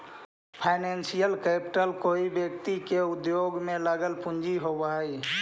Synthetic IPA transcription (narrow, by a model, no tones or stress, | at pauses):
pʰaɪnensijəlkɛpɪ̥ʈəlkoːibjək̚t̪ikeʊd̪joɡmẽlaɡəlpʊ̃ɲd͡ʒiɦobaːi